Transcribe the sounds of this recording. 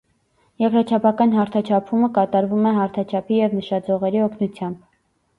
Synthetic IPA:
jɛkɾɑt͡ʃʰɑpʰɑkɑnhɑɾt̪ʰɑt͡ʃʰɑpʰuməkɑt̪ɑɾvumɛɦɑɾt̪ʰɑt͡ʃʰɑpʰijɛvnəʃɑd͡zɔʁɛɾiɔkʰnut͡sʰjɑmb̥

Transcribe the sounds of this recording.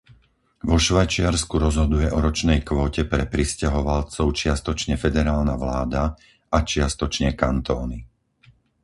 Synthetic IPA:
ʋɔʃʋajt͡ʃɪaɾskuɾɔzɦɔd̪ujɛʔɔɾɔt͡ʃnɛjkʋɔːcɛpɾɛpɾiscaɦɔʋalt͡sɔʊt͡ʃɪast̪ɔt͡ʃɲɛfɛd̪ɛɾaːlnaʋlaːd̪a | at͡ʃɪast̪ɔt͡ʃɲɛkant̪ɔːni

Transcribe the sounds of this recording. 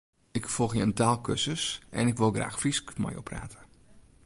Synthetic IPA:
ɪkfɔlˠxjəəntaːlˠkøsəsʔɛ̰nɪkʋɪlˠɡra̰ːxfriskmɔ̰jopʰra̰ːtʰə̥

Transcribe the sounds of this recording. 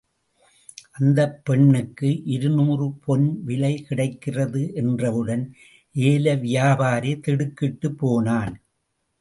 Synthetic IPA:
ʔɐnd̪ɐpːɛɳːɯkːɯʔɪɾɯnuːrɯpʰɔnʋɪlɐɪkɪɽɐɪkːɪrɐðɯʔɛndrɐʋɯɽɐn | ʔeːlɐʋɪjaːbaːɾet̪ɛɽɯkːɪʈːɯpːoːnaːn

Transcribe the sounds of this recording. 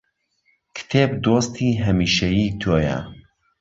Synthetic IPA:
kʰɨ̥t̪ʰeːbd̪oːst̪ʰiːɦɐmiːʃɐjiːt̪ʰoːjɐ̰

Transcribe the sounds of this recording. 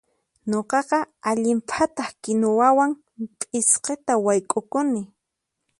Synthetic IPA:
ɲoqɑqɑaʎɪmpʰat̪ɑχkɪnowawaŋ | tʼɪsqet̪awajkʼʊkʊnɪ

